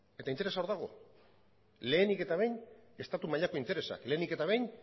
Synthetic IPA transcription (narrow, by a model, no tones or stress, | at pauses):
e̞t̪aint̪̬eɾe̞saoɾðaɣ̞o̞̰ | le̞ːnike̞t̪aβe̞jne̞st̪at̪umaʎako̞int̪e̞ɾe̞sa̰kle̞ːnike̞t̪aβe̞jn